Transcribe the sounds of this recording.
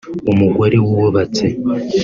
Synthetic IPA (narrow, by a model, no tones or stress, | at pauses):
umuɡoɾewuwoβat͡se